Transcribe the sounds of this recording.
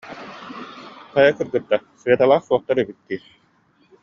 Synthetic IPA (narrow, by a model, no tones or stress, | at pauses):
qajakɯɾɡɯt̪ːasɯɛt̪alˠaːχsuɔχt̪aɾybit̪̚ːiː